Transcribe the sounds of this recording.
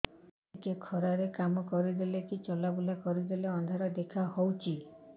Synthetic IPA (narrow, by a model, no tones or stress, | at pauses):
kekʰɔɾaɾekamɔkɔɾid̪ilekit͡ʃɔlabulakɔɾid̪ileɔnd̪ʱaɾɔd̪ekʰahɔwt͡ʃʰi